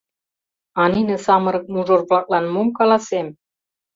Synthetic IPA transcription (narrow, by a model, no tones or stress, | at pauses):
ɑninĕsɑmɤ̆ɾɤ̆k̚nuʒorvlɑk̚lɑnmumkɑlɑsem